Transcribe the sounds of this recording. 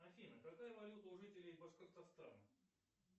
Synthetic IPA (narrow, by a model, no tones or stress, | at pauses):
ɐfʲinəkɐkajəvɐlʲut̪əʊʐɨtʲɪlʲɪjbəʂkəkt̪ɐfst̪a̰n